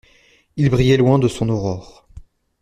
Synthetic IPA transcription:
ilbʁijɛlwɛ̃d̪əsɔ̃nɔʁɔʁ

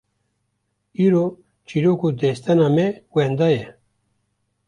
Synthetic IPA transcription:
iːɾoː | t͡ʃʰiɾoːkud̪ɛst̪ɛnaːmɛwɛnd̪ajɛ

